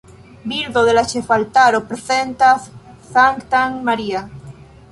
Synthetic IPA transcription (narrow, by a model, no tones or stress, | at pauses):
biɾðoðelaʃefalt̪aɾopɾeθent̪aθ | θaŋkt̪aŋmaɾia